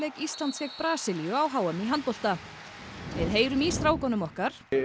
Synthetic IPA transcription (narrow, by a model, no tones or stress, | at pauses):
leːjkist̪lant̪svɛkpɾaːsɪlijʏawɦaːwamiɦant̪pɔl̥t̪a | vɪðɦeːjɾʏmiːst̪ɾaːwkɔnʏmɔhkaɾ̥